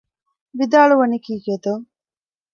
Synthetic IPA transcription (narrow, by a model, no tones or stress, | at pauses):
ʋid̪aːɭuʋɐnikiːɡed̪o